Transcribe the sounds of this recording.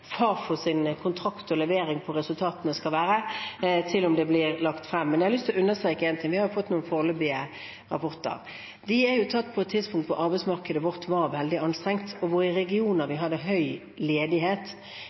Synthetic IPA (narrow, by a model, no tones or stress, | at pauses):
fɑːfɔsɪnkʰʊnt̪ʰɾɑkt̪ɔlɛʋeːɾɪŋpʰɔɾɛsʉlt̪ʰɑːt̪ənəskɑlʋæːɾət̪ʰɪlʊmd̪ɛblɪɾlɑkt̪fɾɛmːɛnjæhɑlʏst̪ʰɪlɔʉnːəst̪ɾeːkəeːnt̪ʰɪŋʋɪhɑɾjʊfɔt̪ːnuːnfoːʁløbɪə | ɾɑ̰pʰɔɾt̪ə̰ʁ | d̪ɪæɾjʊt̪ʰɑt̪ːpʰɔɛt̪ʰːɪd̪spʰʊŋkt̪ʋʊ̰ɾʔɑɾbɛɪsmɑʁkəd̪əʋɔʁt̪ʋɑɾʋɛld̪ɪɑnst̪ɾɛŋt̪ɔʋʊɾɪɾɛɡɪuːnəɾʋɪɦɑd̪ːəɦœʏ | leːd̪ɪɦeːt̪